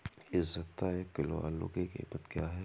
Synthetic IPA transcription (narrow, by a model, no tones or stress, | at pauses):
ɪszɐt̪aekɪloa̰ːlːo̰kekḛpət̪kjaːɦɛ